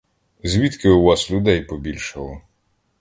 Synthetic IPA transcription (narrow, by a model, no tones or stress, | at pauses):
zʲʋʲit̪kɪʊʋɑslʲʊd̪ɛjpɔbʲilʲʃɪlˠɔ